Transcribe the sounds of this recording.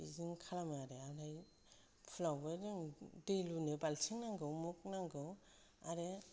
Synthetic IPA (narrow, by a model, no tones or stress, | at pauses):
ḭziŋkʰalamɯaɾealaj | pʰulawbɯɾɯŋdejlunɯbalsʰiŋnaŋɡɯwmuk̚naŋɡɯw | a̰ɾe